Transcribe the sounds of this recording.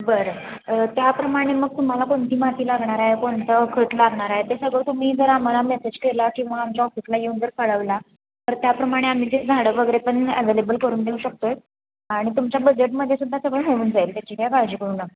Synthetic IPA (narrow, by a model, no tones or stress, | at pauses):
bəɾ | ət̪japɾəmaɽ̃eməɡ̚t̪um̤alakont̪iːmat̪iːlaɡɳ̃aɾaɦekont̪əkʰəʈlaɡɳaɾaɦet̪esəɡəɭt̪um̤iːd͡zəɾam̤alamjet̪ət͡ɕkelakĩw̃ʋaːmt͡ɕaɔfislajeũːnd͡zəɾkəɭəʋla | t̪əɾt̪japɾəmaɽ̃eam̤iːd͡zed͡zʱaɽəʋəɡəɾepəɳəʋelebəlkəɾuːnd̪euɕək̚t̪oe | aɽ̃it̪umt͡ɕjabəd͡ʑeʈməd̪ʱːjesud̪ʱːasəɡɭəɭɦouːnd͡zaelt̪jat͡ɕikjakaɾd͡ʑiːkəɽuːna